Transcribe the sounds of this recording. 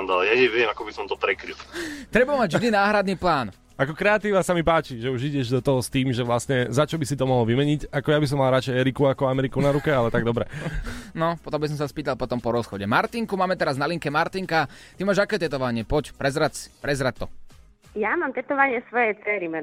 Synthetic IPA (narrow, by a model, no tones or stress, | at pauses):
nd̪alɛjaɲɛʋɛmakɔbisɔmt̪ɔpɾɛkɾilt̪ɾɛbamaɟʒd̪iːnaːɦɾad̪niːplaːn | akɔkɾɛat̪iːʋasamipaːt͡ʃiʒɛuʒiɟɛʒd̪ɔt̪ɔɦɔst̪iːmʒɛʋlasɲɛzat͡ʃɔbisit̪ɔmɔɦlɔʋimɛɲicakɔjabis̬ɔmːalɾat͡ʃɛɪɛɾikuakɔamɛɾikunaɾukɛalɛt̪aɡd̪ɔbɾɛnɔpɔt̪ɔmbis̬ɔmsaspiːt̪alˠpɔt̪ɔmpɔɾɔsxɔɟɛmaɾt̪iŋkumaːmɛt̪ɛɾaznaliŋkɛmaɾt̪iŋkat̪imaːʒakɛːt̪ɛt̪ɔʋaɲɪɛpɔcpɾɛzɾasi̥pɾɛzɾat̚t̪ːɔ | jamaːmt̪ɛt̪ɔʋaɲɪɛsʋɔjɛt͡sɛːɾimɛ